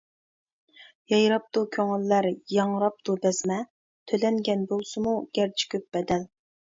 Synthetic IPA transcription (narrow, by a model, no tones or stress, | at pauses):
jɑjɾɑp̚t̪ukʲʰøŋɪlːæɾjɑŋɾɑp̚t̪ʰubɛzmɛ | t̪ʰølɛŋɡʲɛnbolˠsɨmuɡʲæɾt͡ʃʰi̥kʲʰøp̚b̥ɛd̪ɛl